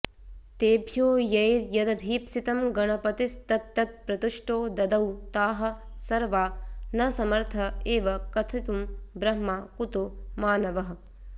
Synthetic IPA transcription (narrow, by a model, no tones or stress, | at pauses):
t̪eːbʱjoːjɐjɾjɐd̪ɐbʱiːpsit̪ɐmɡɐɳɐpɐt̪ist̪ɐt̪ːɐt̪̚pɾɐt̪uʃʈoːd̪ɐd̪ɐwt̪aːɦɐ̆ | sɐɾʋaːnɐsɐmɐɾt̪ʰɐeːʋɐkɐt̪ʰit̪umbɾɐɦmaːkut̪umaːnɐʋɐɦ